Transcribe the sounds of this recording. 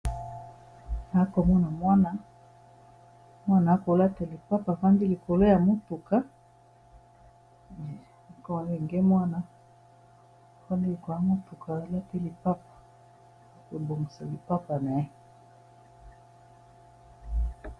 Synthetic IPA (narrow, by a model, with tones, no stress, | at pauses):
na˨˦ko˨mɔ˦na˨mwa˦na˨ | mwa˦na˨˦ko˨la˦te˨li˨pa˦pa˨fa˦ndi˦li˨ko˨lo˦ja˨mo˦tu˨ka˦˨ | kɔ˦˨li˨ŋɡe˦mwa˦na˨ | fa˦ndi˦li˨ko˨a˨˦mo˦tu˨ka˨la˦te˦li˨pa˦pḁ˨˦ | ke˨bo˨ŋɡi˨sa˨li˨pa˦pa˨na˨e˦˨